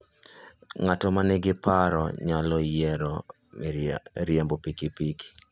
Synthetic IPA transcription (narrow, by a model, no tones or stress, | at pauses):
ŋatɔmanɛɡɪpaɾɔɲalɔjɛɾɔ | ɾjambopikipik